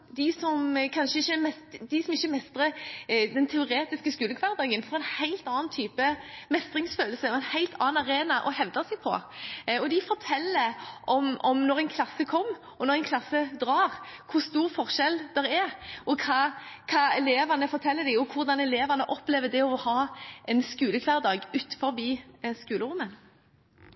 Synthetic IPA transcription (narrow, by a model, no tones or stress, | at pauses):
d̪ɪsɔmkʰɑnʂəɪçːəmɛsd̪ɪsɔmɪçːəmɛst̪ɾəd̪ɛnt̪ʰɛʊɾeːt̪ɪskəskʉːləkʰʋɑʁt̪eːɪŋənfɔɾɛɪnhæɪlt̪ɑːnnt̪ʰyːpəmɛst̪ɾɪŋsføːlsəɔɛɪnhæɪlt̪ʰɑːnɑɾeːnɑʔɔhɛʋd̪ɑsɛɪpʰɔ̰ɔd̪ɪfɔʁt̪ʰɛlːəʔɔmʔɔmnɔɾæɪnkʰlɑsːəkʰɔmː | ʔɔnɔʁɛɪnkʰlɑsːəd̪ɾɑːʁkʰʊst̪uːʁfɔʁʃɛld̪ɛɾɛɾɔkʰɑkʰɑːɛleːʋɑnəfɔɾt̪ʰɛlːəd̪ɪɔkʰʊɾd̪ɑnɛleːʋɑnəʔɔpleːʋəd̪ɛɔhɑːʔɛnskʉːləkʰʋæʁd̪ɑːɡʉːt̪fɔɾbiːskʉːləɾʊmːən